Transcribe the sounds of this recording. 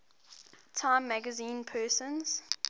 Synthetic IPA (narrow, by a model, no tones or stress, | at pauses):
tʰãɪ̃mːæɡəzĩːnpʰɜːsə̃nz̥